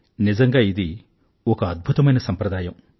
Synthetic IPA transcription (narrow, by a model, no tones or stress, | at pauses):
nid͡ʒɐŋɡaːid̪i | okɐɐd̪̚bʱut̪ɐmɐjnɐsɐmpɾɐd̪aːjɐm